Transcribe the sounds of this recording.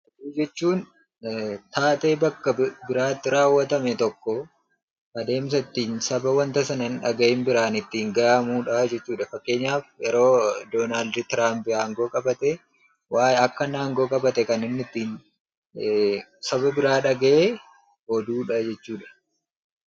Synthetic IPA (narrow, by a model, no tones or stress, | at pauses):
ʔɔd̪uːd͡ʒɛt͡ʃːuːn | t̪aːt̪ʼeːbɐkːɐbɪɾaːt̪ːɪɾaːwːɐt̪ɐmɛt̪ɔkːɔ | ʔɐd̪e̞ːms̬ɐt̪ːiːnsɐbɐwɐnt̪ɐsɐnɐnᶑɐɡɐʔɪnbɪɾaːnɪt̪ːiːŋɡɐjaːmuːᶑɐd͡ʒɛt͡ʃːuːᶑɐfɐkːe̞ːɲːaːfjɛɾo̞ːd̪oːnaːld̪t̪ɪɾaːmpɪaːŋɡo̞ːkʼɐbɐt̪ɛ | waːjɐkːɐnaːŋɡo̞ːkʼɐbɐt̪ɛkɐnɪnːɪt̪ːiːn | sɐbɐbɪɾaːᶑɐɡɐʔeː | hɔd̪uːᶑɐd͡ʒɛt͡ʃːuːᶑɐ̥